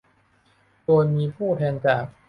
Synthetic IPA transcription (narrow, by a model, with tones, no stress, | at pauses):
doː˧jmiː˧pʰuː˥˩t̪ʰɛː˧nt͡ɕaː˨˩k̚